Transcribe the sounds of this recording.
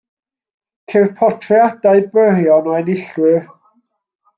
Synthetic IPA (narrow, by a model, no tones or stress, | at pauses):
kʰerpʰɔtʰriadaɨbrərjɔnɔɛnɪɬwɨ